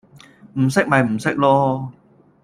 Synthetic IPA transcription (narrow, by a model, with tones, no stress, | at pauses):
m̩˨˩sɪ˥k̚mɐ˨jm̩˨˩sɪ˦˥k̚lɔː˥